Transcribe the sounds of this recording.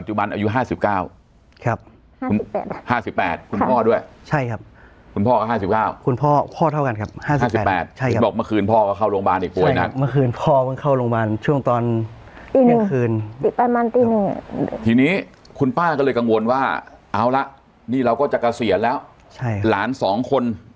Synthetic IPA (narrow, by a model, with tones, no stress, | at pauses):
pa˨t̪̚t͡ɕu˨˩ba˧nʔaː˧ju˦˥ɦaː˥˩si˨˩p̚kaː˥˩w | kʰa˦˥p̚ː | ṵː˧˨˩haː˥˩si˨˩pːɛ̰ː˨˩t̪̚kʰu˧npʰɔː˥˩du˥˩əjt͡ɕʰa˥˩jkʰa˦˥p̚ | kʰu˧npʰɔː˥˩a˥˩ɦaː˥˩si˨˩p̚kaː˥˩wkʰu˧npʰɔː˥˩pʰɔː˥˩a˥˩wka˧nkʰa˦˥p̚haː˥˩sia˨˥˩siː˨˩pːɛː˨˩t̪̚t͡ɕʰa˥˩jkbɔː˨˩k̚ma˧˥˩kʰɯː˧npʰɔː˥˩ka˥˩kʰaː˥˩wlo˧ŋbaː˧nʔiː˨˩k̚pu˨˩əjna˦˥ma˧˥˩kʰɯː˧npʰɔː˥˩pa˧˥˩kʰa˥˩wloː˧ŋbaː˧nt͡ɕʰu˥˩əŋt̪ɔː˧n | i˧na˥˧ŋkʰɯː˧ni˨˩pa˧nma˧nt̪iː˧ni˧˩ŋ̰˨t̪ʰiː˧niː˦˥ | kʰu˧npaː˥˩kɔː˥˩lɤː˧jka˧ŋwo˧nwaː˥˩ʔaː˨˦˥wla˦˥ʔ | niː˥˩ɾa˧wkɔː˥˩t͡ɕa˨˩ka˧si˨˩ə˦nlɛː˦˥w | t͡ɕʰa˥˩jkʰa˦laː˩˦nsɔː˩˦ŋkʰo˧n